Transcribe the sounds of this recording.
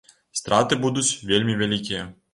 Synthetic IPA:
st̪ɾat̪ɨbud̪ut͡sʲvʲelʲmʲivʲalʲikʲijɛ

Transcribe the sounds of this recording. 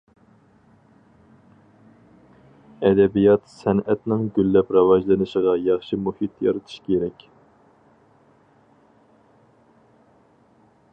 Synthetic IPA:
ɛd̪ɛbijɑt̪sɛnɛt̪nɪŋɡʲylːɛpɾɑwɑʒlˠɨnɨʃɪʁɑjɑχʃimuhit̪jɑ̰ɾɨt̪ʰu̥ʃkʲʰeɾɛkʲ

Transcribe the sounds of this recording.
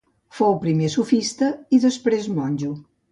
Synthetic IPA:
fowpɾimesufist̪əiðəspɾezmɔnʲd͡ʒu

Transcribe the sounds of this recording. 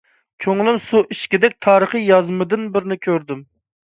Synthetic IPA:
kʲʰøŋlˠɪmsuʔiʃkʲid̪ɛk̚ʲt̪ʰɑːɾəχɨjɑzmɨd̪ɨnbɪɾnɪkʲʰøɾd̪ɪm

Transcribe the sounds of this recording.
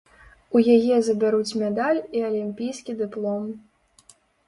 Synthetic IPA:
ujajɛzɐbʲaɾut͡sʲmʲɛd̪alʲiɐlʲimʲpʲijskʲid̪ɨplˠɔm

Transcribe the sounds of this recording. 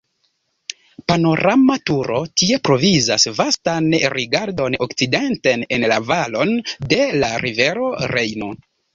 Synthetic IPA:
pano̞ɾamatuɾo̞tie̞pɾo̞vizasvastanɾiɡaɾdo̞nokt͡side̞ntene̞nla̰valo̞nde̞laɾive̞ɾo̞ɾe̞jno

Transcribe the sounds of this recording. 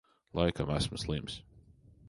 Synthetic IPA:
laɪkʰəmasməslĩms

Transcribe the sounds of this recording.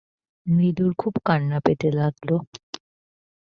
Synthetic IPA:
mid̪uɾkʰubkaɳːapet̪elaɡlo

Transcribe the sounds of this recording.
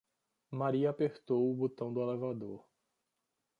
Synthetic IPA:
maɾiɐapeɾt̪owʊbot̪ɐ̃w̃d̪ʊelevad̪oɾ

